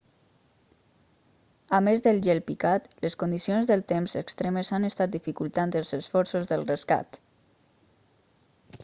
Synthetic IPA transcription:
amezðəlˠʒɛlpikat̪ləskund̪isionzðəlˠt̪emzəkst̪ɾɛməzanəst̪at̪̚d̪ifikulˠt̪and̪əlˠzəsfɔɾsozðəlrəska̰t̪

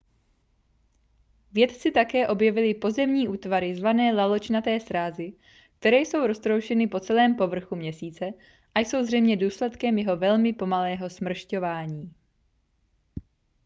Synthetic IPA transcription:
vjɛt̪t͡sɪt̪akɛːʔo̞bjɛvɪlɪpo̞zɛmɲiːʔuːt̪vaɾɪzvanɛːlalo̞t͡ʃnat̪ɛːsɾaːzɪ | k̚t̪ɛɾɛːjso̞wɾo̞st̪ɾowʃɛnɪpo̞t͡sɛlɛːmpo̞vr̩xumɲɛsiːt͡sɛ | ʔajso̞wzrɛjmɲɛduːslɛt̪kɛmjɛɦo̞vɛlmɪpo̞malɛːɦo̞smr̩ʃco̞vaːɲiː

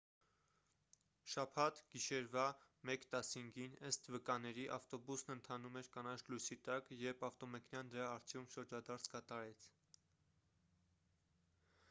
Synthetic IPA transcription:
ʃɑpʰɑt̪ɡ̥iʃɛɾvɑmɛkt̪ɑshiŋɡinəst̪vəkɑnɛɾiʔɑft̪ɔbusnənt̪ʰɑnumɛɾkɑnɑt͡sʰlujsit̪ɑkjɛɾpʰɑft̪ɔmɛkʰnjɑnd̪əɾɑːɾt͡sʰjumpʃəɾd͡ʒɑd̪ɑɾt͡sʰkɑt̪ɑɾɛt͡sʰ

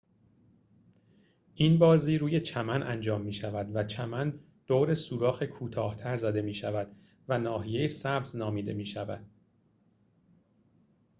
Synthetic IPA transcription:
ʔinbɒːziːɾuːje̞t͡ʃʰæmænʔænd͡ʒɒːmːiːʃævæd̪væt͡ʃʰæmæn | d̪̥oːɾe̞suːɾɒːxekʰuːt̪ʰɒːht̪ʰæɾzæd̪e̞miːʃævæd̪̥ | vænɒːɦije̞jesæbznɒːmiːd̪e̞̰miːʃævæ̰d̪̥̚

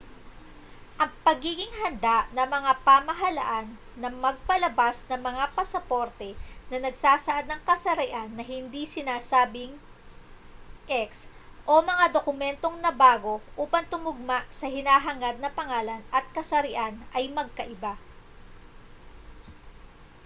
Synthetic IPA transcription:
ʔɐŋpɐɡiːɡɪŋhɐnd̪aʔnɐmɐŋapamɐɦɐlɐ̰ʔanːɐmɐɡ̚pɐlɐbasnɐŋmɐŋapɐsɐpo̞ɾt̪ɛnɐnɐɡ̚saːsɐʔad̪̚nɐŋkɐsɐɾɪʔanːɐhɪnd̪isɪnaːsaːbɪŋ | ʔɛksʔo̞mɐŋad̪okʊmɛnt̪o̞ŋnɐbaːɡo̞ʔuːpɐŋt̪ʊŋʊɡ̚maʔsɐɦɪnaːɦɐŋad̪̚nɐpɐŋaːlɐnʔɐt̪̚kɐsɐɾɪʔanʔɐjmɐɡ̚kɐʔɪba

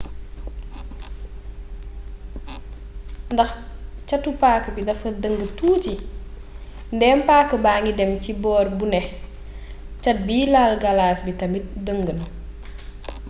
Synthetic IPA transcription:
ndɐxcɐtːupaːkːəbidɐfɐdəŋɡətuːt͡ʃi | ndɛːmpaːkːəbaːŋɡidɛmcibɔːrbunɛ | cɐt̚biːlalɡɐlaːsbitɐmidəŋɡən

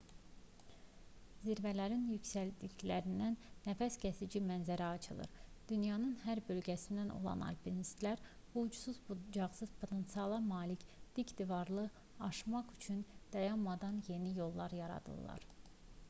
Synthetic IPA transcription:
ziɾvælæɾinjycsæld̪içlæɾind̪ænːæfæscʰæsid͡ʒimænzæɾæɑt͡ʃʰɯlˠɯ̰ɾd̪̥ynjɑnɯnɦæɾbø̞lɟæsind̪ænʔo̞̰lˠɑ̰nɑ̰lpinist̪læɾ | bud͡ʒusuzd͡ʒɑʁsɯz̥pʰo̞t̪ʰensiɑlˠɑmɑːlicd̪̥icd̪ivɑɾlˠɯ | ɑʃmɑχyt͡ʃʰynd̪̥ɑjɑnmɑd̪ɑnje̞nijo̞lˠːɑɾjɑɾɑ̰d̪ɯ̰lˠːɑ̰ɾ̥

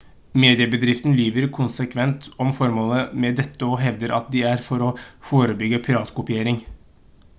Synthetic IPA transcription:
meːd̪ɪəbəd̪ɾɪft̪nlyːʋəɾkʰʊnsəkʰʋɛnt̪ɔmfɔɾmoːləmɛd̪ɛt̪ːəɔɦɛʋd̪əɾʔɑ̰t̪̚d̪ɪæɾfɔɾɔfoːɾəbʏɡəpʰɪɾɑːt̪kʰʊpɪeːɾɪŋ

